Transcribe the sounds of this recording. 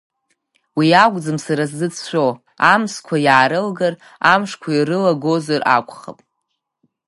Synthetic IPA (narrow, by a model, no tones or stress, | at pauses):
wiaɡʷʼd͡zɨmsaɾaszɨt͡sʰt͡ʃʷo | amskʷʰajaːɾɨlɡar | amʂkʷʰairɨlaɡo̞zara̰kʷʼχa̰pʼ